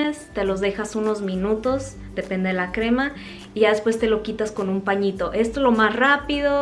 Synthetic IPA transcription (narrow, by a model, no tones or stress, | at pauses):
est̪e̞lo̞zðe̞xasuno̞zmĩnut̪o̞z | d̪e̞pe̞nd̪e̞ðelakɾe̞ma | iʝaðe̞spwe̞st̪e̞lo̞kit̪asko̞nũmpaɲit̪o̞ʔe̞st̪ozlomasrapiðo